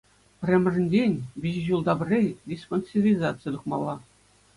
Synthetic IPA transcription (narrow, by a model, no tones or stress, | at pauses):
pʲrʲĕmʲɘ̆ʐɘ̆nʲdʲenʲbʲiʑʑulˠd̪ɑbɘ̆rʲːedʲisponʲsʲivʲizɑt̪sɨjət̪uχmɑlˠːɑ